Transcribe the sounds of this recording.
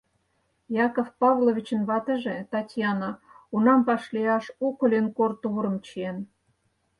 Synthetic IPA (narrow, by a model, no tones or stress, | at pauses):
jɑkofpɑβloβʲit͡ɕə̆nβɑt̪ə̆ʒĕt̪ɑtʲjɑnɑunɑmpɑʃliɑʃukə̆lʲenkort̪uɾə̆mt͡ɕien